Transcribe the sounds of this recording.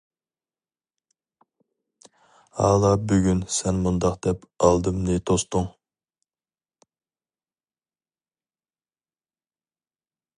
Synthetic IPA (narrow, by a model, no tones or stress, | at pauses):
hɑ̰ːlˠɑbyɡʲynsɛnmund̪ɑqd̪̥ɛpɑlˠd̪ɨmnɨt̪ʰost̪ʊŋ